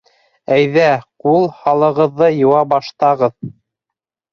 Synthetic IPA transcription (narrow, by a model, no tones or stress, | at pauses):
æjðæqulˠhɑlˠɤ̆ʁɤ̆ðːɤjɤ̆wɑbɑʃt̪ɑʁɤð